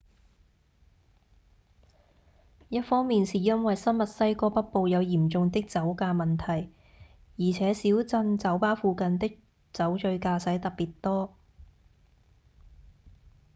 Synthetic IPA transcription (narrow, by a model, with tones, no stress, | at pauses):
jɐ˥t̚fɔː˥ŋmiː˨nsiː˨˩jɐ˥nwɐ˨jsɐ˥nmɐ˨t̚sɐ˥jkɔː˧pɐ˥t̚po˨˧wjɐ˨˧wjiː˨˩mt͡sʊ˧ŋt̪ɪ˥k̚t͡sɐ˨˥wkaː˧mɐ˨nt̪ʰɐ˨˩j | jiː˨˩t͡sʰɛː˨˥siː˨˥wt͡sɐ˧nt͡sɐ˨˥wpaː˥fuː˧kɐ˨˧nt̪ɪ˥k̚ | t͡sɐ˨˥wt͡ʃɵ˧ɥkaː˧sɐ˨˥jt̪ɐ˨˩k̚piː˨˩tt̪ɔː˥